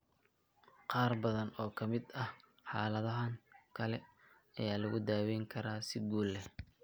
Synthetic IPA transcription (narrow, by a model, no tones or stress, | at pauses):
qɑːrbɐðɐnɔːkʰɐmɪd̪ɐh | ħɑːlɐðɐɦɐŋkʰɐlɛ | ɐjaːlɐɣʊd̪aːwɛŋkʰɐɾaːsɪɡuːlːɛ